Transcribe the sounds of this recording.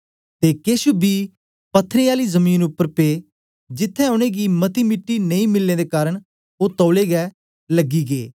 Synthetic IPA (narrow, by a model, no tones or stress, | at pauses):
t̪eːkeːʃubiː | pət̪ʰːəɾeːaːliːzəmiːnʊpːəɾpeː | d͡ʒɪt̪ʰːɛ̃ːoɽ̃ẽːɡiːmət̪iːmɪʈːiːnəĩːmɪlːẽːd̪eːkaːɾəɳ̃ | oːt̪ɔːleːɡɛː | ləɡiːɡḛː